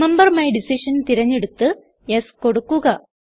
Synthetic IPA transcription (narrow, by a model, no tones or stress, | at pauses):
embɐrmɐjɖisiʂɐnt̪iɾɐɲːeɽut̪ːɨ | esko̞ɽukːuɣɐ